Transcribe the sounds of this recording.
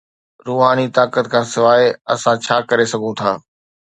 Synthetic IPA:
ɾuːɦaːnit̪aːkət̪kʰãːsɪʋaːeɐ̰sãt͡ɕʰaːkɐɾesɐɡʱot̪ʰaː

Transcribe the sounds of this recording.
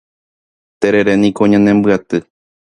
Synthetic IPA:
t̪eɾeɾenĩkoɲãnẽmbɨat̪ɨ

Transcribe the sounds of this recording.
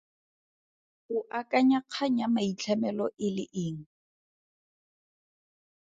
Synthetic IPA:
hʊʔakʼaɲaq͡χʰaɲamait͡ɬʰɛmɛlɔʔɪlɪʔɪːŋ̩

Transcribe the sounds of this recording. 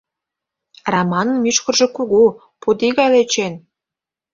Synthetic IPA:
rɑmɑnə̆nmyʃkə̆rʒɤ̆kuɣu | pud̪iɣɑjlet͡ɕen

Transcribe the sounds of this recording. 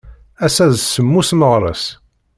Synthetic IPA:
æsæðsəmːusməʁɾˤə̰s

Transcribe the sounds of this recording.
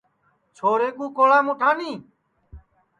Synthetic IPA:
t͡ʃʰoːɾeːkũːkoːlaːmũːʈʰaːniː

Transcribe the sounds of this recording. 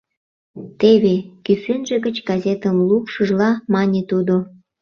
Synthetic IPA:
t̪eβekysenʒĕɣət͡ɕɡɑzʲet̪əmlupʃəʒlɑmɑnʲet̪ud̪o

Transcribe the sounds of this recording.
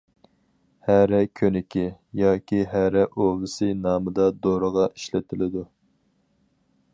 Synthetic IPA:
hæɾɛkʲʰønɪkʲʰijɑːkʲʰiɦæɾɛʔovɨsɨnɑːmɨd̪ɑd̪oɾəʁɑʔiʃlɪt̪ʰɪlɪd̪u

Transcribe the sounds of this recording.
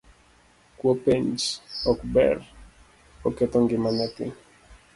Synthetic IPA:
kwopeɲd͡ʒɔkbɛ̰r | ɔkɛt̪ɔŋɡɪmanɛt̪ɪ

